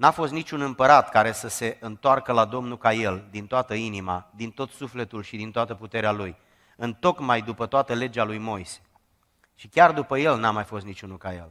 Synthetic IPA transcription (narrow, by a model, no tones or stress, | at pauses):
nafo̞st̪nit͡ʃunɨmpəɾat̪kaɾe̞səse̞ʔɨnt̪oarkəlad̪o̞mnukaje̞ld̪int̪oat̪əinimad̪int̪o̞t̪sufle̞t̪ulʃid̪int̪oat̪əput̪e̞ɾealuj | ɨnt̪o̞kmajd̪upət̪oat̪əle̞d͡ʒalujmo̞jse̥ | ʃikʲard̪upəje̞lnamajfo̞st̪nit͡ʃunukaje̞̰l